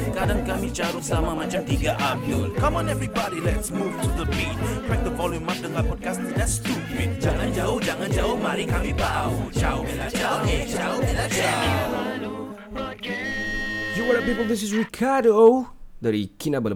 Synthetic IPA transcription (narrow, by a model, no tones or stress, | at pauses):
kadãŋkamit͡ʃaɾusamamãt͡ʃãmt̪iɡaʔapilkãmɔ̃nɛvɹibɔɾilɛtsmuvtʰuðəpĩnpɹɛk̚təfɔlĩnmak̚dəŋanpɔd̚kasdɛtstudmɛ̃d͡ʒaŋãnd͡ʒaʊhd͡ʒaŋãnd͡ʒaʊhmaɾikamibaud͡ʒaʊad͡ʒad͡ʒad͡ʒa | juwəɾapipəlˠd̪is̬is̬ɹikʰadoodaɾikinabəl